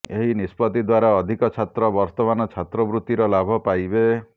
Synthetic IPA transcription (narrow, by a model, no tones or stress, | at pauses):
eɦinispɔt̪id̪waɾaɔd̪ʱikɔt͡ʃʰat̪ɾɔbɔɾt̪ɔmanɔt͡ʃʰat̪ɾɔbɾut̪iɾɔlabʱɔpajbe